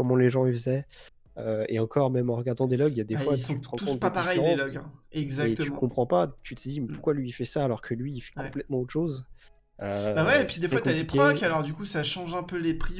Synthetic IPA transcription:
kɔmɑ̃leʒɑ̃əfzɛ | øḛɑ̃kɔʁmɛmɑ̃ʁəɡaʁd̪ɑ̃d̪elɔɡjad̪efwast̪əʁɑ̃tuɔ̃t̪papaʁɛj̃lɔɡɛ̰̃ɛɡzaet̪əỹkɔ̃pχɑ̃pat̪yt̪ʰəd̪imɛpuʁ̥kwalɥiːfɛsaːlɔʁkʰəlɥiːfɛ̥kɔ̃plɛt̪mɑ̃od̪əʃoz | øbawɛpid̪efwwatkalepχãkalɔʁd̪ykusaʃɑ̃ʒɛ̃pølepχi

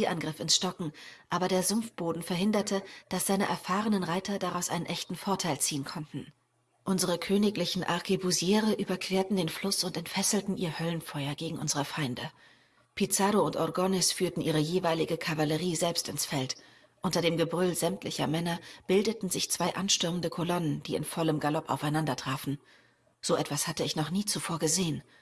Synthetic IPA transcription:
iʔanɡʁɪfɪnsʃtɔkŋ̩ʔaːbɐɾeːɐzʊmfb̥oːdn̩fɛɐɦɪndɐtʰəd̥asz̥aɪnəʔɛ̰ɐfaːʁənənʁaɪtʰɐdaʁaʊsʔaɪnənʔɛçtn̩foːɐtʰaɪlt͡siːənkʰɔntn̩ | ʔʊnzəʁəkʰøːnɪklɪçn̩ʔa̰ʁkʰibuzjɛːʁəʔyːbɐkʰv̥eːɐtn̩deːnflʊsʊntɛntfɛsl̩tn̩ʔiːɐhœlənfɔʏɐɡeːɡŋ̩ʔʊnzəʁəfaɪndə | pʰit͡saːɾoʊntʔɔʁɡɔnɛsfyːɐtn̩ʔiːʁ̞əjeːvaɪlɪɡəkʰavaləʁiːzɛlpstɪnsfɛlt | ʔʊntɐdeːmɡəbʁʏlzɛmtlɪçɐmɛnɐb̥ɪldətn̩zɪçt͡sv̥aɪʔanʃtʏɐməndəkʰolɔnənd̥iːɪ̰nfɔləmɡalɔpa̰ʊfaɪnandɐtʁ̥aːfn̩ | z̥oːʔɛtv̥ashatəɪçnɔχniːt͡sufoːɐɡəzeːən

